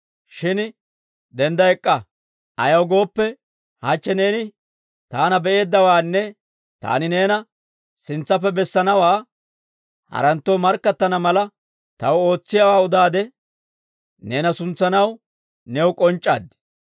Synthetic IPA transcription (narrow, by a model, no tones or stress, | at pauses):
ʃɪn | d̪ɛnd̪ɐɛkʼːɐ | ɐjɐwɡo̞ːpːɛ | hɐt͡ʃːɛne̞ːnɪ | t̪aːnɐbɛʔe̞ːd̪ːɐwaːnːɛ | t̪a̰ːnɪne̞ːnɐ | sɪnt͡sːɐp̬ːɛbɛsːɐnɐwaː | hɐ̰ɾɐnt̪ːoːmɐɾkːɐt̪ːɐnɐmɐlɐ | t̪ɐwo̞ːt͡sːɪjɐwaːʊd̪aːd̪ɛ | neːnɐsʊnt͡sːɐnɐw | nɛwʊkʼɔnt͡ʃʼːa̰ːd̪